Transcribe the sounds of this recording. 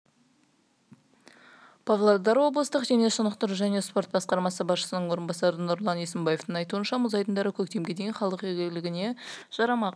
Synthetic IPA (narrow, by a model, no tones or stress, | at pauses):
pʰɑvlˠod̪ɑɾwo̞bləst̪əqʒeneʃənəqt̪əɾʒæne̞spo̞ɾt̪̚bɑsqɑɾmɑsəbɑsʃə̥sənəɴwo̞ɾənbɑsɑɾənʊɾlˠɑnesəmbɑjeft̪əɴɑjt̪uənʃɑmʊzɑjt̪ənd̪ɑɾəkʲʰɵk̚t̪e̞mɡʲe̞d̪e̞jnχɑlˠəqʒeɡʲɪlɪɡʲɪne̞ʒ̥ɑɾɑmɑq